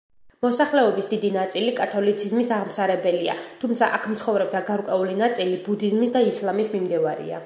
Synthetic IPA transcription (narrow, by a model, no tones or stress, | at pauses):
mɔsaχlɛɔbisd̪id̪inat̪sʼilikʼat̪ʰɔlit̪sʰizmisaʁmsaɾɛbɛlia̰t̪ʰumt̪sʰaʔakʰmt̪sʰχɔvɾɛb̚d̪aɡaɾkʼwɛulinat̪sʼilibud̪izmisd̪aislˠamismimd̪ɛvaɾḭa̰